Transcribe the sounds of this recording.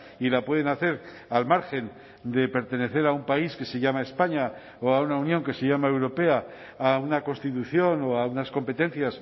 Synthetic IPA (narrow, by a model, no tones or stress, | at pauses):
ilapwe̞ð̞enaθe̞ɾ | almaɾxe̞n | d̪e̞pe̞ɾt̪e̞ne̞θe̞ɾaumpaiske̞se̞ʝamae̞spaɲa | oaunaunjõ̞ŋke̞seʝamae̞wɾo̞pe̞aː | unako̞nst̪it̪uθjo̞no̞aunasko̞mpe̞t̪ẽ̞nθjas